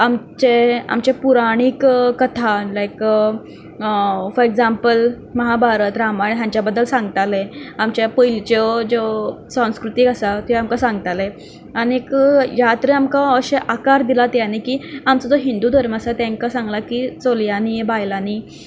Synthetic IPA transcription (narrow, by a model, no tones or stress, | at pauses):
amt͡ɕea̰mt͡ɕepuɾaɽ̃ikkːət̪ʰalajk | fɔɾeɡd͡zampəl | məɦabʱaɾət̪ɾamaɽiɦ̪jãɲt͡ɕjabəd̪ːəlsãŋɡt̪aleamt͡ɕjapəjlt͡ɕəd͡zo | sə̃w̃skɾut̪iːkəsat̪iamkasãŋɡ̚t̪ale | aɽiekjat̪ɾeamkaəɕeʔakaɾd̪ilat̪janikiːamt͡sad͡zoɦind̪uːd̪ʱəɾmasat̪jãŋkasãŋɡlakit͡soljanibajlaniː